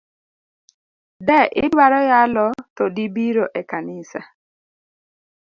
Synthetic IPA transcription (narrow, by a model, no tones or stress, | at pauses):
dɛʔɪdwaɾɔjalɔt̪ɔdibiɾoʔɛkanɪsa̰